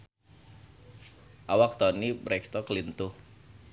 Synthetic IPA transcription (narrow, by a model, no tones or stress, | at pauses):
ʔawak̚t̪ɔnibɾɛkst̪ɔklint̪ʊh